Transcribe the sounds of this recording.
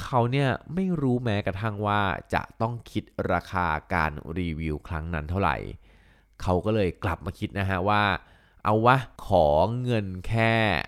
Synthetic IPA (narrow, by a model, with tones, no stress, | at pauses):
kʰa˦˥wni˥˩ɐma˥˩jɾuː˦˥mɛː˦˥kɾa˧t̪ʰa˥˩ŋwaː˥˩t͡ɕa̰˨˩ʔt̪ɔ˥˩ŋkʰi˦˥t̪̚ɾaː˧kʰaː˧ka̰ː˧nɾiː˧wi˧wkʰɾa˦˥ŋna˦˥nt̪ʰa˥˩wɾa̰˨˩j | kʰa˦˥wkɔː˥˩lɤː˧jkla˨˩p̚maː˧kʰi˦˥t̪̚na˦˥kʰa˦˥waː˥˩ | ʔa˧˩wːa˦˥kʰɔː˩˦ŋɤ˧nkʰɛː˥˩